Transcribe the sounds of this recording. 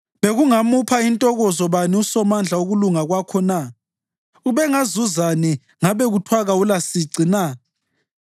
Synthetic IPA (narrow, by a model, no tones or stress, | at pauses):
βeɣuŋamupʰaintʼɔɣɔzɔβaniusɔmand͡ɮʱauɣuluŋaɣwakʰɔna | uβɛŋazuzanɛ | ŋaβɛɣutʰwaɣaulasiǀina